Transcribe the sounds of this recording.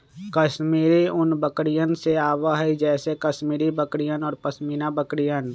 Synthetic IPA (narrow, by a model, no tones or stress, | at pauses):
kəʃmiːɾiʊnbəkɽijənseaːwaɦɛid͡ʒɛːsekəʃmiːɾibəkɽijənɔːɾpəsmiːnabəkɽijən